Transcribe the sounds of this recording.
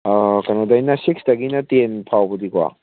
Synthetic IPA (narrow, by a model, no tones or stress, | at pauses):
kanodajnɐsiksdɐɡinɐtenpʰawbudikwa̰